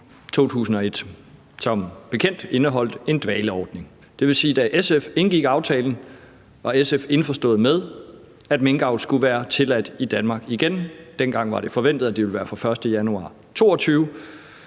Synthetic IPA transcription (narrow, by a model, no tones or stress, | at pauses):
t͡sʰo̝̰ːt͡sʰṵːsn̩ɒ̽e̝d̥ | sɒ̽mb̥e̝kʰen̰d̥e̝nəɦɒ̽l̰d̥e̝nd̥ʋɛːləɒːd̥ne̝ŋ | d̥e̝ʋe̝siːd̥æʔesefe̝nɡ̥iɡ̥ɑ̈ʊt͡sʰɛːln̩ | ɑ̈esefe̝nfɒsd̥ɔ̰̽ːð̩ˠmeð̞ˠ | æd̥meŋɡ̥ɑ̈ʊl̥sɡ̥uʋæːɐt͡sʰe̝læd̥id̥ænmɑ̈ːɡ̥iɡ̥end̥en̰ɡ̥ɑ̈ŋ̰ʋɑ̈ɾ̥e̝fɒ̽ʋen̰d̥ð̩ˠæd̥iʋe̝lʋæːɐfɑ̈fɶɐsd̥əjænuɑ̰̈ː | t͡sʰo̝̰ːɒ̽t͡sʰyːʊ